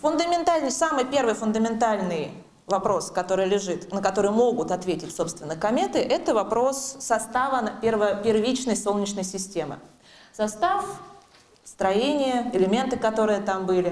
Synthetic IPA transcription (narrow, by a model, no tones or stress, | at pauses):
fʊnd̪əmʲɪnt̪alʲnəjsamɨjpʲe̞rvɨjfʊnd̪əmʲɪnt̪alʲnɨj | vɐpɾo̞skɐt̪o̞ɾɨjlʲɪʐɨt̪nəkɐt̪o̞ɾɨjmo̞ɡʊt̪ɐt̪vʲetʲɪtʲso̞pst̪vʲɪnːəkɐmʲet̪ɨʔɛt̪əvɐpɾo̞sːɐst̪avənpʲɪrvəpʲɪrvʲit͡ɕnəjsolˠnʲɪt͡ɕnəjsʲɪsʲtʲe̞mɨ̰ | sɐst̪af | st̪ɾɐjenʲɪjəɪlʲɪmʲe̞nt̪ɨkɐt̪o̞ɾɨjət̪ambɨlʲɪ